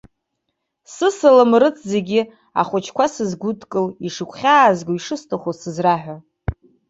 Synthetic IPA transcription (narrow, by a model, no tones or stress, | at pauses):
sɨsɨlɨmrɨt͡sʰze̞ɡʲi | a̰χʷʊt͡ʃʰkʷʰasɨzɡʷutʰʼkʼɨliʂɨkʷʰχʲaːzɡoiʂɨstʰaχʷosɨzraħᶣʷa